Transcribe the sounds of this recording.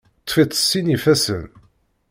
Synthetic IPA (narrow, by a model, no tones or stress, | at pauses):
t̪ˤːfit̪ːə̥sːinifæsə̰n